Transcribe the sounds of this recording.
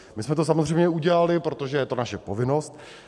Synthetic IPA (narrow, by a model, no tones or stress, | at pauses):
mɪsmɛt̪o̞s̬amozr̝ɛjmɲɛuɟɛlalɪpɾot̪o̞ʒɛjɛt̪o̞naʃɛpovɪno̞st̪̚